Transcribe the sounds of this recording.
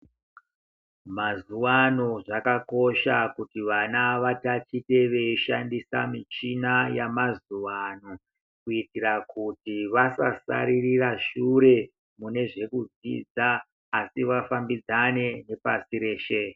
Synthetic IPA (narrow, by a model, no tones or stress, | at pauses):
mazuwano̞ʐakako̞ʃakutiʋanaʋatat͡ʃite̞ʋe̞iʃandisa̰mit͡ʃinajamazuwano̞ | kuitirakutiʋasa̰sa̰ɾiriraʃuɾe̞ | mune̞ʐe̞kud͡zḭːd͡zaː | siʋafambid͡zane̞ne̞pasiɾe̞ːʃe̞